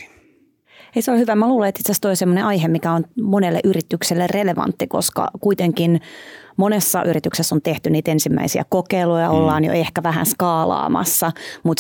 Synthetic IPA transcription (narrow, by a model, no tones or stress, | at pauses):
eiseolhyʋæmːæluːlɑet̪it̪sæst̪oisemːoneʔɑjɦemikæonmonelːeʔyrit̪ykselːerreleʋɑ̰nt̪ːiko̰skɑ̰kuit̪eŋkinmonesːɑ̰ʔyɾit̪yksesont̪eht̪yniːt̪ensimːæ̰isiæ̰kokeilojɑolːɑːnjo̰ehkæʋæɦæ̰nskɑːlɑ̰ːmɑ̰sːɑmut̪